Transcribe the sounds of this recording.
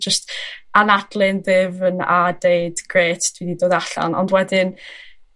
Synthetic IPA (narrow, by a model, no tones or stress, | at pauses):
d͡ʒəstanadlˠɪnðɪvəna̰deɨdɡ̥reːtʰd̥wididoːdaɬa̰nɔ̰ndwɛdɪn